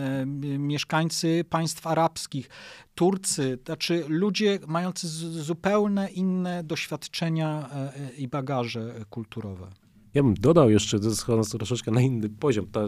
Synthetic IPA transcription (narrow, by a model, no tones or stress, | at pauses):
mʲjɛʂkaɲt̪sɘpaj̃st̪faɾapskʲixt̪uɾt̪sɘat͡ʂɘlud͡ʑɛmajɔnt̪sɘzupɛwnɛʔinːɛd̪ɔɕfʲjat̪t͡ʂɛɲa | ibaɡaʐɛkult̪uɾɔvɛ̰ | jabɘmd̪ɔd̪awjɛʂt͡ʂɛzɛsxɔɔnst̪ɾɔʂɛt͡ʂkɛnainːɘpɔʑɔmt̪ɔ